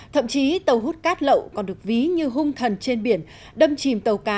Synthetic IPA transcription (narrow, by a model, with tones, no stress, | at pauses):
t̪ʰə̰˧˨mt͡ɕi˨˦t̪ə˨˩wɦu˦˥t̚kaː˦˥t̚lə̰˧˨wkɔ˨˩nɗɨ˨˩ək̚vi˨˦ɲɨ˧ɦʊ˧ŋ͡mt̪ʰə˨˩nt͡ɕe˧nɓi˧˩ən | ɗə˧mt͡ɕi˨˩mt̪ə˨˩wkaː˨˦